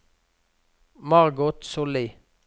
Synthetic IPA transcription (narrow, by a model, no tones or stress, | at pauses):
mɑʁɡʊt̪sʊli